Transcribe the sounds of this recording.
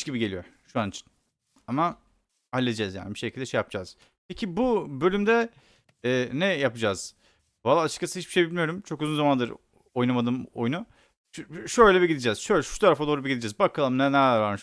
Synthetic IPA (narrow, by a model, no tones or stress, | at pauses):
t͡ʃɟibiɟe̞lʲijo̞̰ʃuanit͡ʃʰi̥n | ama | halʲːed̪id͡ʒɛzja̰ːnibiʃecʰilʲd̪ɛʃejapd͡ʒaz̥ | pʰecʰibubø̞lʲymd̪ɛː | nɛjapɯd͡ʒaz̥ | valˠːaːt͡ʃʰɯ̥kʰːasɯhit͡ʃbiʃejbilʲmijo̞ɾumt͡ʃʰo̞kuzunzamand̪ɯɾ | o̞jnamad̪ɯːmo̰junu | ʃøjlʲɛbiɟid̪ʲid͡ʒɛz̥ʃøjlʲɛʃu̥t̪ʰaɾafad̪oːɾubiɟid̪id͡ʒɛzbakʰalˠɯmnɛnææɾvaɾn